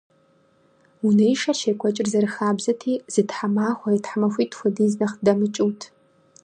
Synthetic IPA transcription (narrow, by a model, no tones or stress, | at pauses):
unɐjʂɐʃeːkʷʼɔt͡ʃʼɪrzɐɾɨxaːbzɐtʰiːz̥ɨtħamaːxʷɔitħamɐxʷiːtxʷɔdiːznɐχdɐmɨt͡ʃʼɨwtʰ